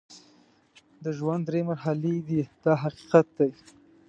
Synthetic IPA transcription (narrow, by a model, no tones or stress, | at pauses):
d̪əʒwand̪ːɾemaɾɦaled̪id̪̥ɑɦaqi̥qat̪̚d̪aj